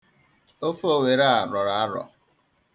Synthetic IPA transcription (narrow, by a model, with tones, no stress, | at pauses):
o˦fo˦we˨ɾa˦a˨ɾɔ˨ɾa˨a˦ɾɔ̰˨